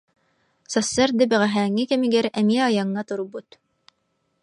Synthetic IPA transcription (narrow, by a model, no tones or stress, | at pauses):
sɑsːɑɾd̪ɘbæʁæɦæːŋːɘkɛmiɡɛɾɛmiɛɑjɑŋːɑt̪uɾbut̪